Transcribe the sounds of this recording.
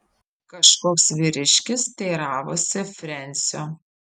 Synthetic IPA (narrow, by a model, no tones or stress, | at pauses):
kɐʃkoːksʋʲɪɾʲɪʃʲkʲɪst̪ʲɛɪɾɑːʋoːsʲɪfʲɾʲɛnʲsʲoː